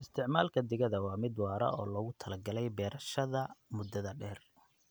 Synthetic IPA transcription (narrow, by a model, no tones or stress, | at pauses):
ʔɪst̪ʰɪʕmaːlkʰɐd̪ɪɣɐðɐwɑːmɪd̪wɑːɾɐ̰ʔɔ̰ːlɔːɣʊt̪ʰɐlɐɡɐlɛjbɛːɾɐʃɐðɐmʊd̪ːɐðɐɖɛːr